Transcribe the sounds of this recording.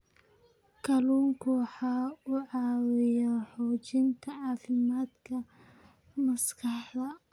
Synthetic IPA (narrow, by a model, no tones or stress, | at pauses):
kʰɐluːŋkʰʊwɑħɑːʊʕɑːwɪjɐħɔːt͡ʃɪnt̪ʰɐʕɑːfɪmaːd̪kʰɐ | mɐskʰɑħd̪ɐ